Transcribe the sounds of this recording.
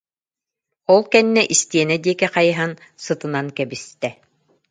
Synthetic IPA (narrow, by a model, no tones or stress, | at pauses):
ɔlˠkɛnːɛʔist̪iɛnɛd̪iɛkɛqɑjɤɦansɯ̆t̪ɯ̆nankɛbist̪ɛ